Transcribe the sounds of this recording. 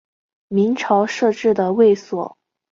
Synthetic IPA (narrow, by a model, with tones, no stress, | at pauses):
mi˧˥ŋʈ͡ʂʰɑ˧˥ʊʂɤ˥˧ʈ͡ʂɻ̩˥˩d̪ə˩we˥˩ɪswɔ̰˨˩˦